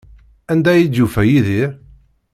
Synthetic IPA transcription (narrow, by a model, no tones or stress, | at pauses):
ænd̪æjid̪ufæjiði